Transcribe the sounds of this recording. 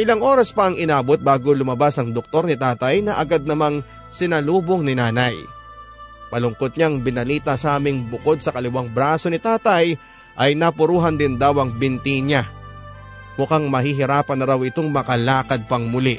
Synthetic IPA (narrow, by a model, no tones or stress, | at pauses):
ʔɪlaŋʔo̞ːɾɐspɐɐŋɪnaːbot̪̚baːɡolʊmɐbasɐŋd̪ok̚t̪o̞ɾnɪt̪aːt̪ɐjnɐʔɐɡad̪̚nɐmaŋ | sɪnɐluːboŋnɪnaːnɐj | pɐlʊŋkot̪̚ɲaŋbɪnɐliːt̪ɐsɐʔaːmɪŋbʊko̞d̪̚sɐkɐlɪwaŋbɾaːso̞nɪt̪aːt̪ɐj | ʔɐjnapʊɾuːɦɐnd̪ɪnd̪awɐŋbɪnt̪iɲa | mʊkaŋmɐɦiɦɪɾaːpɐnːɐɾawɪt̪o̞ŋmɐkɐlaːkɐd̪̚pɐŋmʊlɪʔ